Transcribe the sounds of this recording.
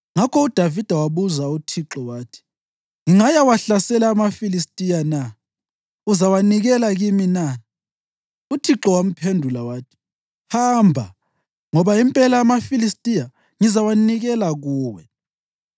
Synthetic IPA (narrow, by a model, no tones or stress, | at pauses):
ŋakʰɔud̥ʱavid̥ʱawaβuzautʰiǁɔwaːtʰi̥ | ŋiŋajawaɬasɛlaːmafilistʼijana | uzawaniɣɛlaɣimina | utʰiǁɔwam̩pʰendʱulawaːtʰi̥ | hambʱa̰ | ŋɔβaimpʼɛlaːmafilistʼija | ŋizawaniɣɛlaɣuːwɛ